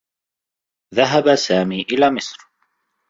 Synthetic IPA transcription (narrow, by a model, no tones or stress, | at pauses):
ðaɦabasaːmiːʔɪlaːmɪsɾ